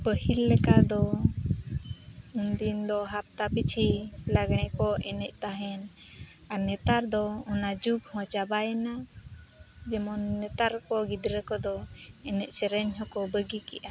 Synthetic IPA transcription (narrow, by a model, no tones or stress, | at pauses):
pəhilːɛkad̪ɔ | und̪ind̪ɔɦap̚t̪apit͡ʃʰilaɡɳ̃ɛkɔʔɛnɛʔ̚t̪aɦɛn | anɛt̪aɾd̪ɔɔnad͡ʒubhɔ̃t͡ʃabajɛna | d͡ʒɛmɔnːɛt̪aɾkɔɡid̪ɾəkɔd̪ɔɛnɛc̚sɛɾɛɲɦɔkɔbəɡikɛʔa